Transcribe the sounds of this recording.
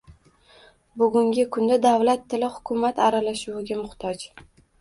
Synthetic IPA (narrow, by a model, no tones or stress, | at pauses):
bʊɡʊŋɡʲɪkʰʊnd̪ad̪avlat̪ʰːɪlɪhʊ̥kʲʰʊmat̪ʰaɾalaʃʊwɪɡʲamʊχt̪ʰɒd͡ʒ